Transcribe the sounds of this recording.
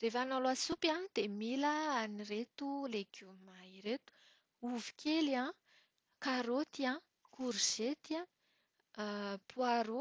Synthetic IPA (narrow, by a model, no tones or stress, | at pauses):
refanaloasupanid̪̥emiləaniret̪uleɡumaiɾet̪u̥ | uvi̥kʰʲeliã | kaɾot̪iã | kuɾiz̥et̪ia | puaɾo